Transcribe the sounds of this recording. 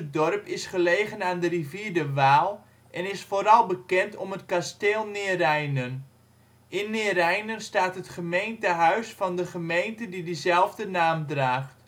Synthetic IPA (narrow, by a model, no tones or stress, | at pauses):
ədɔrpɪsχəleːɣənaːndəriviːdəʋaːlˠ | ʔɛnɪsfoːɾɑlˠbəkɛntʰɔmətkasteːlˠnɪːrɛjnən | ɪnːɪərɛjnənstaːtɦətχəmejntəɦœɥsfɑndəχəmejntədidizɛlˠvdənaːmdraːχt